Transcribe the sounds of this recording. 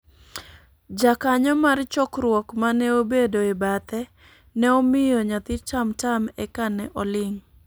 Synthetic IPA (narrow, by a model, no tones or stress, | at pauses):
d͡ʒakaɲɔmart͡ʃɔkɾwɔkmanɛobedoɪbat̪ɛ | nɛomɪjɔɲat̪ɪtamtamɛkanɛʔɔlɪŋ